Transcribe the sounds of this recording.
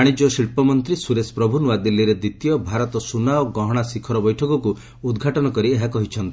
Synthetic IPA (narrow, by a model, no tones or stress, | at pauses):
aɽ̃id͡ʒɔsiɭpɔmɔnt̪ɾisuɾespɾɔbʱunuwad̪ilːiɾed̪it̪ijɔbʱaɾɔt̪ɔsunaɔɡɔɦɔɽ̃asikʰɔɾɔbɔjʈʰɔkɔku | ud̪ɡʱaʈɔnɔkɔɾieɦakɔɦit͡ʃʰɔnt̪i